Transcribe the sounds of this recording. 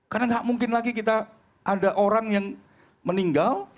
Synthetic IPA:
karnaŋɡaʔmuŋkɪnlaɡikit̪a | ʔadaʔoɾaŋjaŋ | məniŋɡal

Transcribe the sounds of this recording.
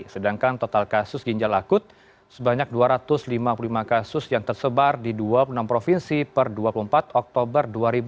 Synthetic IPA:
sədaŋkant̪ot̪alkasʊsɡiɲd͡ʒalakʊt̪̚ | səbaɲak̚duaɾat̪ʊslimapululimakasʊsjaŋt̪ərsəbardiduapulunampɾofinsipərduapuluəmpat̪ɔk̚t̪obərduaɾib

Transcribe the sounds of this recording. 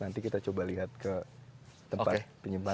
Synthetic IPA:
nant̪ikit̪at͡ʃobaliɦat̪̚kə | t̪əmpat̪pəɲimpa

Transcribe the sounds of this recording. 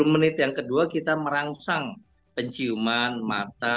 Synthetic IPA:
umənit̪jaŋkəduakit̪aməɾaŋsaŋ | pəɲt͡ʃiumanma̰t̪a

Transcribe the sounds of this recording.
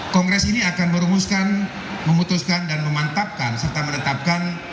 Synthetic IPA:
kɔŋɡɾɛsiniakanməɾumuskan | məmut̪uskandanməmant̪ap̚kansərt̪amənət̪ap̚kan

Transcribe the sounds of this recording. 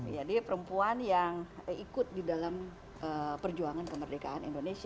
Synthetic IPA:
d͡ʒadipəɾəmpuanjaŋikʊt̪̚didalam | ʔəpərd͡ʒuaŋankəmərdeka̰anḭndonesi

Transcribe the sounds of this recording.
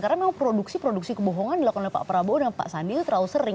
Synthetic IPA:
kaɾaŋmemaŋpɾoduksipɾoduksikəboɦɔŋandilakɔnalipa̰ʔpəɾabodanpa̰ʔsanbɪlt̪əɾausərɪ

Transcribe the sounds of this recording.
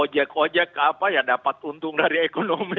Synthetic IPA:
od͡ʒakod͡ʒakapajaŋdapat̪unt̪ʊŋdaɾiekonomi

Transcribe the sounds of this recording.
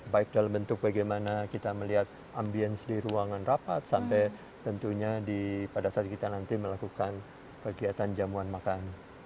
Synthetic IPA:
baɪk̚dalambənt̪ʊk̚baɡajmanakit̪aməliɦat̪̚ | ambiɛnsdiɾuaŋanrapat̪̚sampɛ | t̪ənt̪uɲadipadasat̪̚kit̪anant̪iməlakukan | kəɡiat̪and͡ʒamuanmakan

